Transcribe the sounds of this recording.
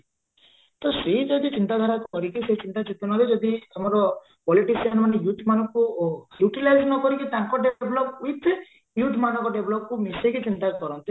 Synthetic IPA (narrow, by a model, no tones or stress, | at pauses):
t̪ɔsed͡ʒɔd̪it͡ʃint̪ad̪ʱaɾakukɔɾikiset͡ʃint̪at͡ʃit̪unɔɾed͡ʒɔd̪iamɔɾɔ | pɔliʈisianmanejuʈmanɔŋkujuʈilajd͡ʒnɔkɔɾikit̪aŋkɔɖeblɔp̚uit̪e | juʈʰmanɔ̃ŋkɔɖeblɔp̚kumisekit͡ʃint̪akɔɾɔnt̪i